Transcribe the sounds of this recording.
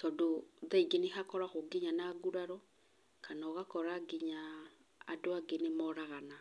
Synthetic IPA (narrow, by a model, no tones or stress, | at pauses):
tɔdoðaiɡenexakɔɾaxoɡeɲanaːɡuɾaɾɔ | kʰanaɔɣakɔɾaɡeɲa̰ː | doaɡenemɔɾaɣana